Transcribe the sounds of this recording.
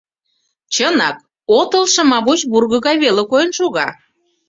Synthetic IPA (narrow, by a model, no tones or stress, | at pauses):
t͡ɕənɑk̚ | ot̪əlˠʃə̆mɑβut͡ɕburɣə̆ɣɑjβelekojənʃuɣɑ